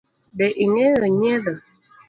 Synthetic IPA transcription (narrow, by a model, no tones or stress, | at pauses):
bɛʔiŋɛɣəɲɛðə